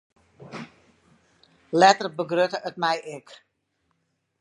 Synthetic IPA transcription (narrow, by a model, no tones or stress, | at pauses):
lɛtərbəɡrøtəʔətmɛjʔɪk